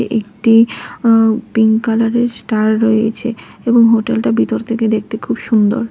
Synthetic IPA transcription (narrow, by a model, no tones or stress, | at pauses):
ʔekʈi | piŋkalaɾeɾsʈaɾːojet͡ɕʰe | eboŋɦoʈelʈabʱit̪oɾt̪ʰeked̪ek̚ʰt̪ekʰubʃund̪o̰ɾ